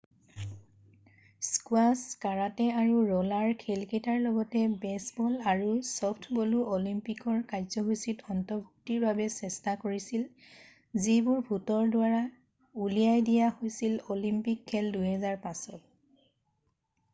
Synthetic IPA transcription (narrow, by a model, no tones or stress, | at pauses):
skwaskaɹatɛaɹuɹɔlaɹkʰelketaɹlɔɡɔtɛbɛsbɔlaɹusɔpʰtʰbɔluʔolimpikɔɹkajzɔɦusitɔntɔbʱuk̚tiɹbʱabɛsɛstakoɹisil | zibʊɹbʱutɔɹdwaɹa | ulijajdijahojsilolimpikʰːɛlduɦɛzaɹpasɔt̚